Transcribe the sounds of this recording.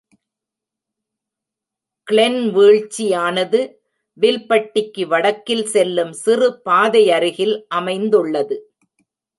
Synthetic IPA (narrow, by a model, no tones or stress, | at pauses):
kɭɛnʋeːɻt͡ʃːijaːnɐðɯ | ʋɪlpɐʈːɪkːɯʋɐɽɐkːɪlsɛlːɯmsɪrɯpaːðɐjɐɾɪɣɪlʔɐmɐɪnd̪ɯɭːɐðɯ